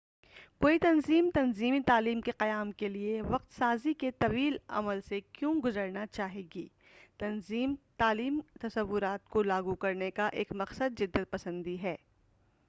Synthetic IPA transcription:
koːit̪ɐnziːmt̪ɐnziːmit̪aːliːmkeqɐjaːmkelieʋɐq̚t̪saːziket̪ɐʋiːlɐ̰məlsekjõɡʊzəɾnat͡ʃaːɦeːɡiː | t̪ɐnziːmt̪aːliːmt̪ɐsɐʋːʊɾaːt̪kolaːɡukɐɾnekaʔḛːkmɐqsəd̪̚d͡ʒɪd̪ːət̪̚pɐsə̃nd̪iɦɛː

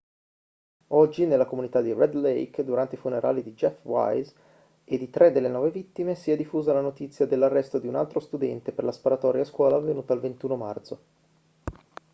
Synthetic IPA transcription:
ɔd͡ʒːinelːakomunit̪ad̪irɛd̪lɛjkd̪uɾant̪eifuneɾʔa̰ːlid̪id͡ʒɛfwa̰jz | ed̪ːit̪ɾʔɛd̪elːenɔːvevit̪ːimesiɛd̪ifːuːzalanot̪it̪sːjad̪elːarːɛst̪od̪iuna̰lt̪ɾost̪ud̪ɛnt̪eperlaspaɾat̪ɔːɾjaskwɔːlaːvːenuːt̪aːlvent̪uːnoma̰rt̪so

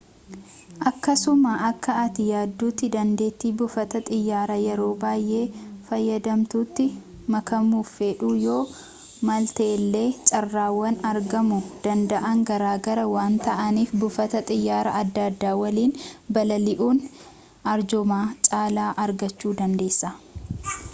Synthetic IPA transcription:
ʔɐkːɐsʊmaʔɐkːɐɐt̪ɪjaːd̪ːuːt̪ːɪd̪ɐnd̪e̞ːt̪ːiːbʊfɐt̪ɐt̪ʼɪjːaːɾɐjɛɾo̞ːbaːjʔe̞ːfɐjːɐd̪ɐmt̪uːt̪ːɪ | mɐkɐmuːfeːᶑuːjo̞ː | mɐlt̪eːlːe̞ːt͡ʃʼɐrːaːwːɐnɐɾɡɐmʊd̪̥ɐnd̪ɐʔɐŋɡɐɾaːɡɐɾɐwaːnt̪ɐʔɐniːfbʊfɐt̪ɐt̪ʼɪjːaːɾɐɐd̪ːɐd̪ːaːwɐliːnbɐlɐlɪʔuːn | ɐɾd͡ʒʊmaːt͡ʃʼaːlaːʔɐɾɡɐt͡ʃːuːd̪ɐnd̪e̞ːsːɐ

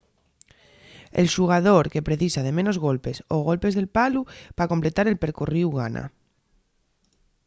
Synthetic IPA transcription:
ḛlʃuɣ̞að̞oɾke̞pɾeθisað̞emenozɣ̞olpe̞soɣ̞o̞lpe̞zðelpalupakomplet̪aɾelpeɾkuriwɣanʔa̰

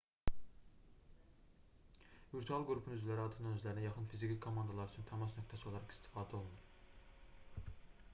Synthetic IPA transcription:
viɾt̪ʰuɑlˠɡɾupʰunyzvlʲæɾiɑɾt̪ʰɯ̥nɑnøzlæɾinæjɑχɯnfizikʲikʰomɑnd̪ɑlˠɑɾyt͡ʃʰynt̪ʰɑmɑsnøk̚ʰʲt̪ʰæsio̞lˠɑɾɑqi̥st̪ʰi̥fɑːd̪æo̞lˠunuɾ

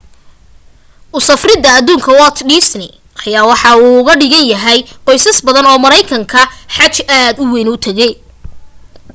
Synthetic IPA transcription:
ʔʊsɐfrɪðɐːðuːŋkʰɐwɔt̪ʰɖɪsnɪ | ʔɑjaːwɑħɑuːʊɣɐɖɪɣɐnjɐɦɛjqɔjsɐsbɐðɐnɔːmɐɾɛjkʰɐŋkʰɐħɑt͡ʃaːd̪ʊwɛjnʊt̪ʰɐɣɛj

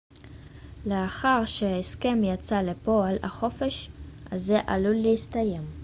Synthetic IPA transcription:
leaχaʁʃeaeske̞mjat͡salepoala̰χo̞fe̞ʃʔazeʔaluleist̪aje̞m

